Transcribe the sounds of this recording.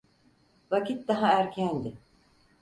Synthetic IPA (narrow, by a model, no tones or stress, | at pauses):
vacit̪̚d̪aɦaæɾcʰænd̪ɪ